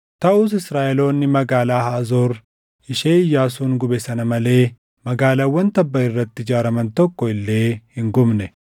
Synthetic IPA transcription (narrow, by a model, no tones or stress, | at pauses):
t̪ɐʔʊs̬ɪsɾaːʔelo̞ːnːɪmɐɡaːlaːhaːzo̞ːɾ | ɪʃeːɪjːaːsuːnɡʊbɛsɐnɐmɐle̞ː | mɐɡaːlɐwɐnt̪ɐbːɐɪrːɐt̪ːɪd͡ʒaːɾɐmɐnt̪ɔkːɔɪlːe̞ːhɪŋɡʊmnɛ